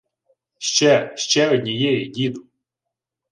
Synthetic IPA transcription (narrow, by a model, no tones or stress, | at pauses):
ʃt͡ʃɛʃt͡ʃɛɔdʲnʲijɛjɛdʲid̪ʊ